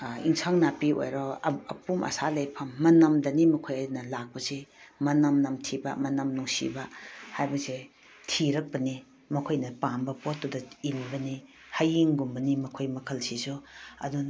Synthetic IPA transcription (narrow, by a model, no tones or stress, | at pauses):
ḭŋsʰaŋnapio̰jɾɔɐ̰pumʔɐ̰salɐjpʰɐmːɐnɐmdɐnimɐkʰojanɐlak̚pɐsemɐnɐmnɐmtʰibɐ̰mɐnɐmnuŋsḭbɐhajbɐse | tʰiɾɐk̚pɐni | mɐkʰojnɐpambɐpotːudɐinbɐni | hɐjiŋɡumbɐnimɐkʰojmɐkʰɐlsisuɐ̰dun